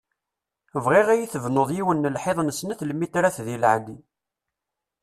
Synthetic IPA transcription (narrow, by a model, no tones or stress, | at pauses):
əvʁiʁæjiθəvnoðˤjiwənːəlħeðˤnəsnæθlmit̪ɾæθðilʕd̪i